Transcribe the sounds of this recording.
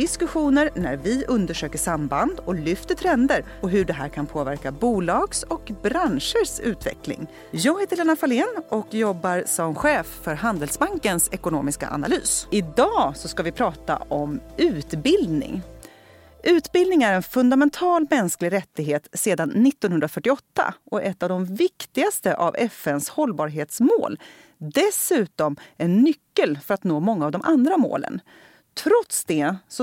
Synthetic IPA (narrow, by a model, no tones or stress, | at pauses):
d̪ɪskɵɧuːnəɾnæ̰ɾvɪʔɵnd̪əʂøːkəʂamband̪ɔlʏft̪ət̪ʰɾɛnd̪əɾ | ɔɦɵɖɛɦæ̰ːɾkʰanpʰoːvæɾkabuːlɑːɡsɔkbɾanʂəʂʉ̟ːt̪vɛ̰klɪ̰ŋ | jɑːɡheːt̪əɾɭeːnafaleːnɔkjɔbːaɾsɔmɧeːfːœɾhand̪ɛlsbaŋkənsɛkʊno̰ːmɪska̰ʔa̰na̰ly̰ːsɪd̪ɑːsɔskavɪpʰɾɑːt̪a̰ɔmʉ̟ːt̪bɪld̪nɪ̰ŋ | ʔʉ̟ːt̪bɪld̪nɪŋæɾɛnfɵnd̪amɛnt̪ʰɑːlmɛnsklɪɡɾɛt̪ːɪɡɦeːt̪seːd̪anːɪt̪ːɔnɦɵnd̪ɾafœʈːɪɔt̪ːa̰ʔɔʔɛt̪ːavd̪ɔmvɪkt̪ɪɡast̪əʔavɛfɛnshɔlbɑːɾɦeːt̪smo̰ːl | d̪ɛsʉ̟ːt̪ɔmɛnːʏkːəlfœɾat̪noːmɔŋːaːvd̪ɔmʔand̪ɾamo̰ːlə̰n | t̪ʰɾɔt̪sd̪ɛsɔ